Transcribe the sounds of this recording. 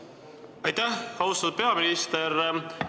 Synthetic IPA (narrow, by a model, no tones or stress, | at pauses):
ɑjt̪æhkɑɦust̪ɑt̪ud̪̥̚pe̞ɑminist̪eɾ